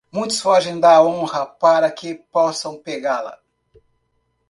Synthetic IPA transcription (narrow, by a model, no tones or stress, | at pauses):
mũj̃t̪ʊ̥sfɔʒẽj̃d̪aõhɐpaɾɐkɪpɔsɐ̃w̃peɡalɐ̰